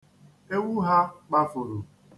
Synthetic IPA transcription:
e˦wu˦ɦa˦k͡pa˦fʊ˨ɾu˨

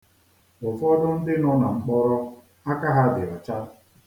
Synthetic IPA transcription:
ʊ˨fɔ˦dʊ˦n̩˦dɪ˦nʊ˦na˨ŋ͡m̩˨k͡pɔ˦ɾɔ˦ | a˦ka˦ɦa˦bɪ˨ɾa˨t͡ʃa˦ɾ

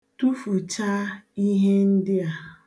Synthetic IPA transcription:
tu˦fu˨t͡ʃa˦i˦ɦe˦n̩˦dɪ˦a˦

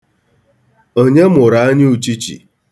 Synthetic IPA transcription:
o˦ɲe˦mʊ˨ɾa˨a˦ɲɪ˦u˨t͡ʃi˦t͡ʃḭ˨

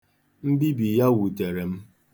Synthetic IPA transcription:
m̩˦bi˦bi˨ja˦wu˨te˨ɾe˨m̩˦

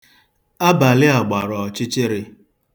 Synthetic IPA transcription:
a˦ba˨lɪ˦a˨ɡ͡ba˨ɾɔ˨t͡ʃɪ˦t͡ʃɪ˦ɾɪ˦

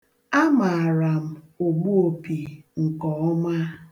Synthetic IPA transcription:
a˦ma˨a˨ɾa˨m̩˨o˨ɡ͡bu˦o˨pi˨ŋ̩˨kɔ˨ɔ˦ma˦

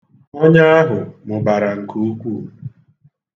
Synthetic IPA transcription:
ɔ˦ɲa˦a˦ɦʊ˨mʊ˨ba˨ɾa˨ŋ̩˨kʰu˦u˦kʷu˦˨

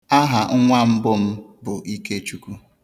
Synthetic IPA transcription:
a˦ɦa˨ŋ̩˦ŋʷa˦m̩˦bʊ˦m̩˦bʊ˨i˦ke˦t͡ʃu˦ku˦

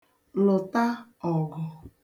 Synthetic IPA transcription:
lʊ˨ta˦ɔ˨ɡɔ˨

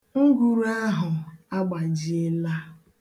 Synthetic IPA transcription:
ŋ̩˦ɡu˨ɾa˦ɦʊ˨a˦ɡ͡ba˨d͡ʒi˨˦e˦la˦

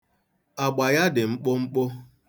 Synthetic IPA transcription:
a˨ɡ͡ba˨ja˦dɪ˨ŋ͡m̩˦k͡pʊ˦ŋ͡m̩˦k͡pʊ˦

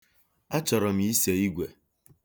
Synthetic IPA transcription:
a˦t͡ʃɔ˨ɾɔ˨m̩˨˦i˦se˨i˦ɡʷe˨

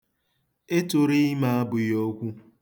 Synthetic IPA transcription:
e˦tʊ˨ɾi˦ma˦a˦bʊ˨jo˦kʷu˦

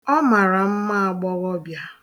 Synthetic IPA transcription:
ɔ˦ma˨ɾa˨m̩˦ma˦a˨ɡ͡bɔ˦ɣɔ˦bja˦

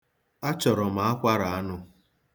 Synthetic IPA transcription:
a˦t͡ʃɔ˨ɾɔ˨ma˨a˦kʷa˦ɾa˨a˦nʊ˦

